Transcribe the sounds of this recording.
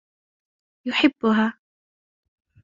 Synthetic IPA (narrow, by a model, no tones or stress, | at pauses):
jʊħɪbːʊɦaː